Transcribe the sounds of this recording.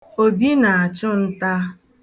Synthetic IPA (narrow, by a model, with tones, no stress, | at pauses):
o˨bi˦na˨a˨t͡ʃʊ˦n̩˦ta˦